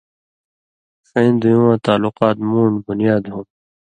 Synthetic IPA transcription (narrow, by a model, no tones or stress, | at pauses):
xẽːnd̪ujũːwãːt̪aːluqaːt̪mũːɳbʊnijaːd̪ɦũː